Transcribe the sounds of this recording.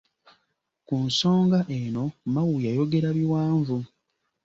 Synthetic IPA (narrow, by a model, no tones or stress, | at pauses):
kunso̞ːŋɡaʔeno̞mawujajo̞ɡe̞ɾaβiwaːɱvu